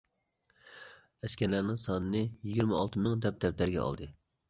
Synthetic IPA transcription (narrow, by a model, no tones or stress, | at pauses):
ɛskʲɛɾlænɪŋsɑnɨnɨjiɡʲiɾmɪɑlˠt̪ʰɨmɪŋd̪ɛp̚d̪ɛp̚t̪æɾɡʲɛ̰ɑ̰lˠd̪ɨ